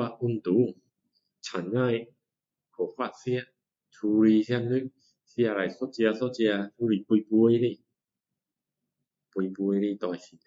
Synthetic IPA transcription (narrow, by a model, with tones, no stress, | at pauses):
wa˧ʔu˧nt̪uː˨˦ | t͡ɕʰa˨˦nŋaː˥˩˨j | kʰo˨˦ka˧˩t̪̚si˧˥˩ə˨ | t̪ʰuː˧ɾi˧sʰi˧˩ə˧nnɯ˦˥k̚ | si˧˩˧ɾa˧˩jso˧˥t͡ɕi˧ɐ˧so˦˧˥t͡ɕi˧ɐ˧t̪ʰuː˧ɾiː˧˩pu˧jpu˧ə˧jni˧˩˨ | pu˧jpu˧ə˧jni˧˨t̪ɔː˧jsi˧˩